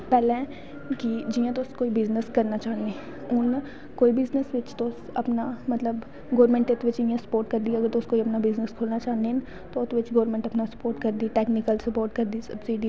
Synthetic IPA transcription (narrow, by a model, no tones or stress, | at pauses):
pɛːlẽɛ̃ | kid͡ʒijãt̪̬oskoːibɪznəskɐɾnat͡ʃaːɦne | ʊn | koːibɪznəsʋɪt͡ʃt̪os | ɐpnamɐt̪ləb | ɡoːɾmẽɳʈɪt̪ʰʋɪt͡ʃijãsɐ̥poːɾʈkɐɾd̪iɐɡəɾt̪oskoːiɐpnabɪznəskʰoːlnat͡ʃaːnd̪en | t̪oʊt̪ʰʋɪt͡ʃɡoːɾmẽɳʈɐpnasɐ̥poːɾʈkɐɾd̪iːʈeːknɪkəlsɐpoːɾʈ̚kɐɾd̪isɐbsiːɖiː